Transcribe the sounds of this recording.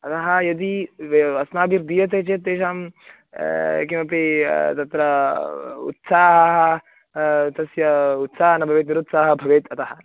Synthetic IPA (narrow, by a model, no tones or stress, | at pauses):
ɐt̪ɐɦɐjɐd̪iɐsnaːbiɾd̪ijɐt̪eːt͡ʃeːt̪ːeːʃaːm | kimɐpet̪ɐt̪ɾɐ | ṵt̪saːɦɐɦɐ | t̪ɐsjɐut̪saːɐnɐbʱɐʋeːt̪niɾut̪saːɦɐbʱɐʋeːt̪ʰɐt̪ɐɦɐ